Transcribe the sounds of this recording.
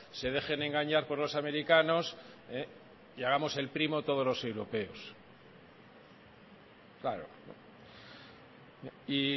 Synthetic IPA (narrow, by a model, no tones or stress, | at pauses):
se̞ð̞e̞xe̞ne̞ŋɡaɲaɾpo̞ɾlo̞same̞ɾikano̞se | iaɣamo̞se̞lpɾimo̞t̪o̞ð̞o̞zlo̞se̞wɾo̞pe̞os | klaɾo̰ | i